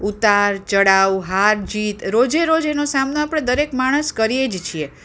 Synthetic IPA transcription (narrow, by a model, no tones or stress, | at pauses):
ut̪aɾt͡ʃəɽawɦaɾd͡ʒit̪ɾod͡ʒeɾod͡ʒenosamnoapɽ̃ed̪əɾekmaɽ̃əskəɾijed͡ʒt͡ʃʰie